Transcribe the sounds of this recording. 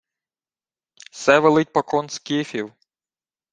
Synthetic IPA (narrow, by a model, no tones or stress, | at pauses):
sɛʋɛlˠɪt̚ʲpɐkɔnskʲifʲiw